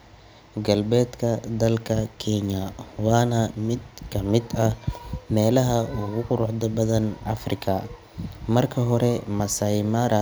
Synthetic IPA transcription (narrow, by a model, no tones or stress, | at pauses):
ɡɐlbɛːd̪kʰɐd̪ɐlkʰɐkʰɛɲɐwɑːnɐmɪd̪kʰɐmɪd̪ɐmɛːlɐɦɐʊɣʊqʊɾʊħd̪ɐbɐðɐnʔɐfrɪkʰɐ | mɐrkʰɐɦɔɾɛmɐsɐjmɐɾɐ